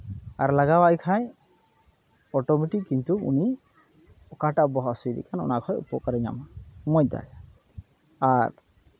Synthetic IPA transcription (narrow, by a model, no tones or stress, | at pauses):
a̰ɾlaɡawaʔjkʰaj | ɔʈɔmiʈikint̪uṵni | ɔkaʈabɔɦasujd̪ḭkʰanɔ̰nakʰɔjṵpɔkaɾɛɲa̰mamɔjd̪a̰j | aɾ